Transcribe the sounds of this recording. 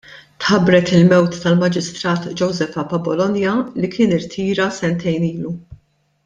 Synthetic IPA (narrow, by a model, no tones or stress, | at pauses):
t̪ħɐbɾɛt̪ɪlmɛwt̪ːɐlmɐd͡ʒɪst̪ɾɐːt̪d͡ʒɔwzɛfɐpɐbɔlɔnjɐlikʰɪːnɪɾt̪ʰiːɾɐsɛnt̪ʰɛjniːlu